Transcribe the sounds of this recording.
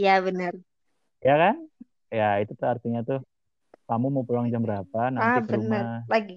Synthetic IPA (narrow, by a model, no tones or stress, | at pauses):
jaβənər | jakan | jait̪ut̪ʊart̪iɲat̪ʊh | kamumapəluaŋd͡ʒambəɾapanaabəəunəalaɡi